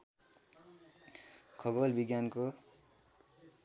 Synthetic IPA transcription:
kʰʌɡʌlbiɡjanko

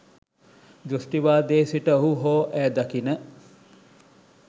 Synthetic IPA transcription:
d͡ʒosʈiʋaːd̪eːsiʈəoɦuɦoːʔæːd̪akinə

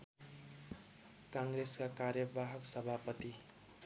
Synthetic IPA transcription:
kãŋɾeskakaɾjʌbaɦʌksʌbʱapʌt̪i

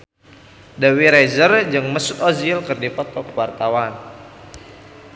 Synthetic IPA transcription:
dawiɾajzərd͡ʒɨŋməsʊt̪ɔzilkɨrdipɔt̪ɔkwart̪awan

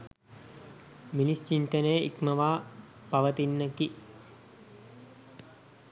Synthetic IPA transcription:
milist͡ʃint̪ənəjʔḭkməʋaː | pɐʋət̪inːəki

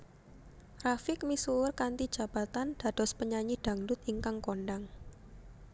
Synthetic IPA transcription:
rafɪk̚misuʊrkant̪id̥ʒ̥ä̤b̥a̤t̪and̪̥ä̤d̥ɔ̤spəɲaɲid̪̥a̤ŋdʊt̪iŋkaŋkonɖaŋ

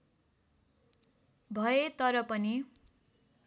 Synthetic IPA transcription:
bʱʌet̪ʌɾʌpʌni

